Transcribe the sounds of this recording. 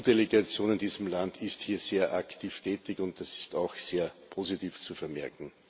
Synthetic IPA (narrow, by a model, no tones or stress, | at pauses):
d̥eleɡat͡sjoːnɪndiːzəmlandɪsthiːɐz̥eːɐʔaktʰiːftʰɛːtɪçʊnt̚d̥asɪ̥staʊxseːɐpʰoːzitʰiːft͡sufɛɐmɛɐkŋ̩